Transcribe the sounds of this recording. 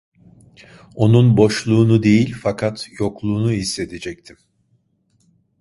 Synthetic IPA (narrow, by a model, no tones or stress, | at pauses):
o̞nunbo̞ʃlˠuːnud̪e̞jilʲfakʰat̪jo̞klˠuːnuɦisːe̞t̪ʰed͡ʒɛc̚t̪ʰim